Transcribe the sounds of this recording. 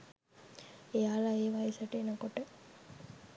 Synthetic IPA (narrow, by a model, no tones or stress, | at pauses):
ejaːlaeːʋajesɐʈeːnakoʈə